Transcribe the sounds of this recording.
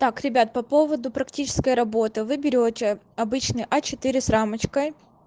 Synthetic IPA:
t̪akɾʲɪbʲat̪̚pɐpo̞vəd̪ʊpɾɐktʲit͡ɕɪ̥skəjɾɐbo̞t̪ɨvɨbʲɪɾʲotʲɪ | ɐbɨt͡ɕnɨjʔɐt͡ɕɪt̪ɨɾʲɪsɾamət͡ɕkəj

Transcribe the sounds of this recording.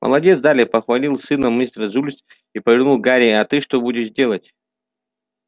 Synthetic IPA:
mʔɐ̰lˠɐdʲet̪sd̪alʲɪpɐxvɐlʲilˠsɨnəmist̪ɾəzulʲs | ipəvʲɪrnulˠɡaɾʲiat̪ɨʂt̪obudʲɪʂzʲdʲe̞lˠətʲ

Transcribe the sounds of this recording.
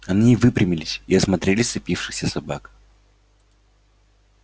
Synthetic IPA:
ɐnʲiːvɨpɾʲɪmʲɪlʲɪsʲiɐsmɐt̪ɾʲelʲɪsɨpʲifʂɨxsʲəsɐbak

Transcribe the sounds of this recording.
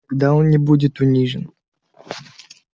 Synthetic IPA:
ɡd̪aonnʲɪbudʲɪt̪ʊnʲiʐɨ̰n

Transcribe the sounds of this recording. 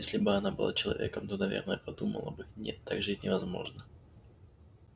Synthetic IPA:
jesʲlʲɪbɨɐnabɨ̰lˠa̰t͡ɕɪlˠɐ̰vʲe̞kəmt̪o̞nɐvʲe̞̰rnəjəpɐd̪umə̰lˠə̰bɨnʲet̪ʰːaɡʐɨtʲnʲɪvɐzmo̞̰ʐnə

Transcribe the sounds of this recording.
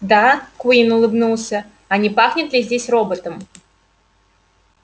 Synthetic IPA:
d̪akinʊlˠɨbnulˠsʲə | ɐnʲɪpaxnʲɪt̪lʲɪzʲdʲesʲro̞bət̪əm

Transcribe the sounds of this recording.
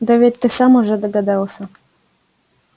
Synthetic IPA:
d̪ɐvʲet̪ʲt̪ːɨsamʊʐɛd̪əɡad̪ɑlˠsʲə

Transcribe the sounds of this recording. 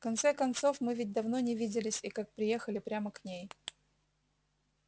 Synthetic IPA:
fkɐnt̪sɛkɐnt̪so̞fmɨvʲɪt̚ʲd̪ɐvno̞nʲɪvʲidʲɪlʲɪsʲikak̚pɾʲɪje̞xəlʲɪpɾʲaməknʲej

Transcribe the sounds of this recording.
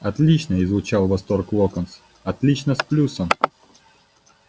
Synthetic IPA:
ɐt̪lʲit͡ɕnəɪzvʊt͡ɕalˠvɐst̪orklˠokəns | ɐt̪lʲit͡ɕnəsplʲusəm

